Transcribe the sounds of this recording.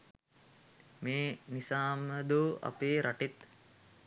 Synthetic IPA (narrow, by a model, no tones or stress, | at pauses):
meːnisaːməd̪uːa̰peːɾʔaʈit̪